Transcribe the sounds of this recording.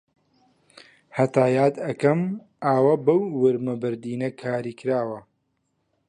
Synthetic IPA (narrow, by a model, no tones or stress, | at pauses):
hɐt̪aːjaːd̪ɐkɐm | aːwabɐwːɨɾmɐbɨɾd̪iːnɐkʰaːɾiːkɨɾaːwɐ